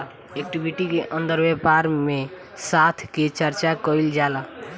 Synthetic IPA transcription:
ek̚ʈibʱiʈikeʔənd̪əɾbepaɾme | sat̪ʰket͡ʃəɾt͡ʃakəild͡ʒala

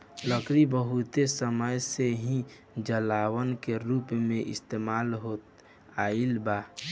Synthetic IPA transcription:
ləkɾibəɦut̪esəməjseɦĩ | d͡ʒəlaːwənkeɾuːpmẽʔɪst̪eːmaːlɦot̪ | ailbaː

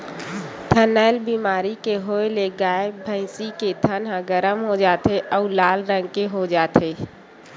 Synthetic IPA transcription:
t̪ʰənəːlbiːmaːɾikeɦoːeleɡaːɪbʱə̃ɪ̃siked̪ʱənɦãɡəɾəmɦod͡ʒaːt̪eʔɔːlaːlɾə̃ŋɡkeɦod͡ʒaːt̪ʰeː

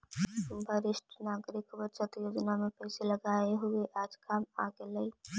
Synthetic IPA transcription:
bʱəɾɪsʈʰnaːɡɾɪkbət͡ʃət̪joːd͡ʒnamẽpɛːseləɡaːeɦʊeʔaːd͡ʒkaːma̰ɡeləi

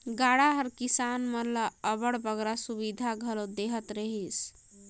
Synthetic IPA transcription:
ɡaɽaɦəɾkisanməɾləəβəɽbəɡɾasuβid̪ʱaɡʱəlod̪eɦət̪ɾəɦis

